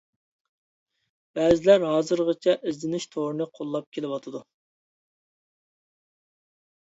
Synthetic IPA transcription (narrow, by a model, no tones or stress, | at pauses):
b̥ɛːzɪlæɾɦɑːzɨɾʁət͡ʃʰɛʔɪzlɪnɪʃt̪ʰoɾɨnɨqʰolˠːɑp̚kʲʰelɪwɑt̪ʰɨd̪u